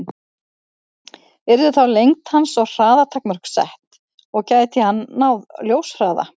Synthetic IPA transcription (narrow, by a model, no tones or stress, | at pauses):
ɛɾðʏθawlejŋt̪hansɔɣr̥aːðat̪ʰakmœr̥ksɛ̰ht̪ | ɔɣcaːjt̪ʰɪhanːawðljowsr̥aːða̰